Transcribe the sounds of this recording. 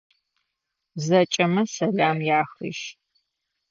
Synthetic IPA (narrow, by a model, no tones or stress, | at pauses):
zɐt͡ʃʼɐmɐsɐɮaːmjaːxḭʃ